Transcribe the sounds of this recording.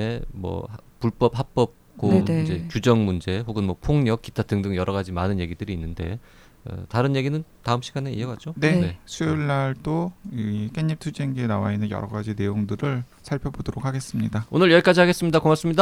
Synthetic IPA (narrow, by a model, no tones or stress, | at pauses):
emwʌ̰hpuɭp͈ʌp̚hap͈ʌp̚ | k͈oid͡ʑe̞kjud͡ʑʌŋmund͡ʑe̞hoɡɯnmwʌpʰoŋɲʌk͈̚itʰatɯŋdɯŋjʌɾʔʌɣad͡ʑimanɯnje̞ɡidɯɾiːnːɯnde̞̰ | ʌ̰taɾɯnje̞ɡinɯntaɯmɕʰiɡane̞ḭʌɡad͡ʑonee̞sʰuiɭːaɭt͈oik͈e̞ɲːip̚tʰud͡ʑeŋɡenawainːɯnjʌ̰ɾʌɡad͡ʑine̞joŋdɯɾɯɭ | sʰaɭpʰjʌbodoɾok̚ʰaɡes͈ɯmɲidaonɯɭjʌɭk͈ad͡ʑihaɡe̞s͈ɯmɲidakomas͈ɯmɲida